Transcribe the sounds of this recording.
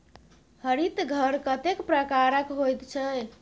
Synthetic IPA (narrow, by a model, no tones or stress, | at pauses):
həɾit̪ɡʱəɾkət̪ekpɾəkaɾəkɦojt̪t͡ʃʰɛ